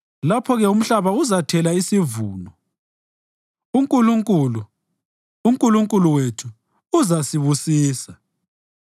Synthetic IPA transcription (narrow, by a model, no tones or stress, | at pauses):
lapʰɔɣɛum̩ɬaβauzatʰɛlaisivuːnɔ | uŋkʼuluŋkʼuluː | ŋkʼuluŋkʼuluwetʰuː | zasiβusiːsa